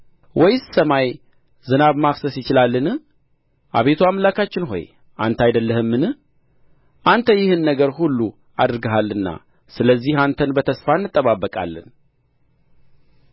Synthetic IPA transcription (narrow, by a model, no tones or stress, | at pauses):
wʔɔjssəmaj | zɨnaβmafsəsjɪt͡ʃɪlalːɨnɨ | ʔa̰βe̞t̪ʰuamlakat͡ʃːɪnɦo̞̰j | ʔa̰nt̪ʰajd̪əlːəhɨmːɨnɨ | ʔant̪ʰəjɪhɨnːəɡəɾhulːu | ad̪ɨɾɡəɦalːɨnːa̰ | sɨləzːihant̪ʰənbət̪ʰəsfanːɨt̪ʼːəβabːəkʼa̰lːɨ̰n